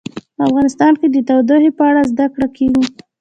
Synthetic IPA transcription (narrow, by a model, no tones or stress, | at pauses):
pəafɣɑnɪst̪ɑnked̪ət̪awd̪aɦepəaɽazd̪akɽakeɡi